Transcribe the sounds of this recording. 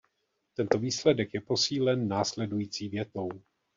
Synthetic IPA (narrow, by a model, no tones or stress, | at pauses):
t̪ɛnt̪oviːslɛdɛkjɛpo̞siːlɛnːaːslɛdujiːt͡siːvjɛt̪o̞w